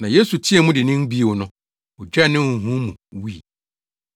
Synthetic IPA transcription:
nã˨je˦su˨tʰi˦ɛ˨mʊ̃˦dɪ˨nɪ̃˦m˦bi˦˨wo˨nʊ̃˦ | ɔ˨d͡ʑᶣɛ˦nɪ̃˦˨ɦũ˦mũ˨wu˦i˨

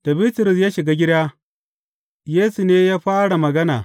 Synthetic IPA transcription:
d̥ɐ˨bi˦tʊ˨ɾʊ˨s̬jaː˦ʃɪ˨ɡaː˦ɡʲɪ˦ɽdaː˦ | jeː˦su˨neː˦jaː˦ɸaː˦ɽa˨mɐ˨ɡɐ˦na̰ː˨

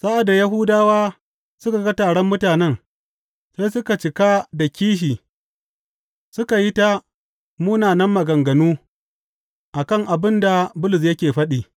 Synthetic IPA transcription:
sa˦ʔa˨da˨ja˦ɦʊː˦daː˦waː˦ | sʊ˦ka˨ɡa˦taː˨ɽɔ˦mːʊ˦taː˨nɛ˦ŋ | sa˦jsʊ˦ka˨t͡ʃɪ˨ka˦da˨kʲiː˦ʃiː˨ | sʊ˦ka˨ji˦ta˦ | muː˦naː˨nɐ˦mːɐ˨ɡɐ˨ŋɡɐ˨nuː˦ | ʔa˨kɐ˦˨ŋʔa˨bɪ˦nda˨bʊ˦lɪ˨s̬jɐ˦kʲeː˨ɸɐ˦ɗiː˦˨

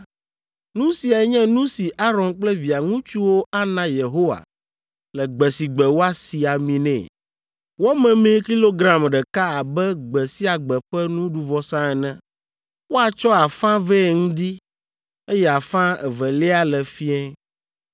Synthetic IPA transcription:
nũ˦si˨a˨˦ɲɛ̃˦nũ˦si˨ʔa˦ɾɔ̃˨nk͡plɛ˦vi˨a˨ŋũ˦t͡ʃu˦wo˦ʔa˦nã˦je˨ɦo˦wa̰˨ | lɛ˨ɡ͡bɛ˨si˨ɡ͡bɛ˨wo˦a˦si˨a˨mĩ˨nɛ̰̃˨ | wo˦mɛ̃˨mẽ˦ki˦lo˦ɡɾã˦mɖɛ˨ka˦a˨bɛ˦ɡ͡bɛ˨si˦a˨ɡ͡bɛ˨ɸɛ˦nũ˦ɖu˦vɔ˦sã˦ɛ˨nɛ̃˦ | wo˦a˨t͡ʃɔ˦a˨fã˦vɛ˦˨ŋũ˦d̪i˦ | e˦jɛ˦˨a˨fã˦ɛ˨vɛ˨lɛ˦a˦lɛ˨fi˦ɛ̃˦

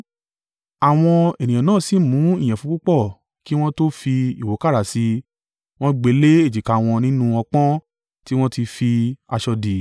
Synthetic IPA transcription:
a˨w̃ɔ̃˧e˨nĩ˨ã˨nãː˦˨si˦˨mũ˨˦i˦˨j̃ɛ̃˨fũ˨˦u˦k͡pɔ˦˨ | ki˦w̃ɔ̃˦to˦fi˧i˨wo˨˦ka˦˨ɾa˨si˧ | w̃ɔ̃˦ɡ͡be˨˦le˦e˦˨d͡ʒi˨ka˨w̃ɔ̃˧nĩ˦nũ˦ɔ˧k͡pɔ̃˦ | ti˦w̃ɔ̃˦ti˧fi˧a˧ʃɔ˧di˨

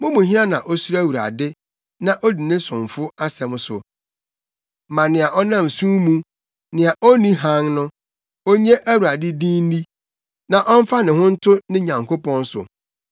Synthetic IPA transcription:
mʊ̃˦mũ˨ɦɪ˦nã˦nã˨ʔɔ˦su˦ɾæ˦˨wu˨ɾa̰˨dɪ˦ | nã˨ʔo˦di˨nɪ̃˦sʊ̃˨ɱ˨fʊ˦a˦sɛ˨m̃˦sʊ̰˨ | mã˨nɪ̃˨a˨ʔɔ˦nã˦m˨sũː˦mũ˦ | nɪ̃˨a˨ʔo˦nĩ˦ɦã˦ŋnʊ̃˦ | o˦ɲe˦ʔæ˦wu˨ɾa˨dɪ˦dĩ˦n˦di˦ | nã˨ʔɔ˦m̩˦fa˦nɪ̃˨hʊ̃˦n̩˦tʰʊ˦nɪ̃˦ɲã˨ŋkʰo˦pɔ̃˦n˦sʊ̰˨

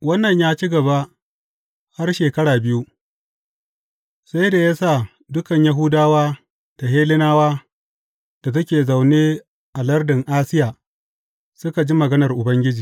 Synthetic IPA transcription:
wɐ˦nːɐ˨ɲjaː˦t͡ʃi˦ɡɐ˨ba˦ | ha˦rʃeː˨kɐ˦ɽaː˨bɪ˦ju˦ | sa˦jda˨ja˦saː˦˨ | dʊ˦kɐ˨ɲja˦ɦʊ˦daː˦waː˦ | d̥a˨ɦeː˦lɪ˦naː˦waː˦ | d̥a˨t̬ɐ˦kʲeː˨za˨wneː˦ | ʔa˨lɐ˦rdɪ˨ŋʔaː˦sɪ˦jaː˨ | sʊ˦ka˨d͡ʒi˦mɐ˨ɡɐ˦nɐ˨rʔʊ˨bɐ˦ŋɡʲɪ˦d͡ʒiː˨

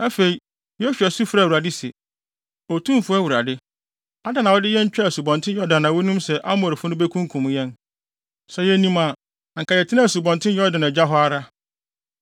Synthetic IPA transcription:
æ˦fe˨i˨ | jɔ˦fi˨ɛ˨su˦fɾa˦˨u˨ɾa˨dɪ˦sɛ̰˨ | o˨tʰũ˦mfʊ˦ɛ˦wu˨ɾa˨dɪ˦ | a˦da˨nã˨ɔ˦dɪ˦jɛ˦ɲ̩˦t͡ɕᶣæ˨su˨bɔ̃˨ntʰɪ̃˦njɔ˦da˨nːã˨wɔ˦nũ˦msɛ˨ʔa˦m˦˨ɾfʊ˦nʊ̃˦be˦kʰũ˦ŋ˦kʰũ˨m̃˦jɛ̃˦n | sɛ˨jɛ˦nĩ˦mã˨ | ŋ̩˨kʰa˨jɛ˨tʰɪ˦nã˦˨su˨bɔ̃˨ntʰɪ̃˦jɔ˦dã˨nã˨d͡ʑa˦ɦɔ˦a˦ɾa˦

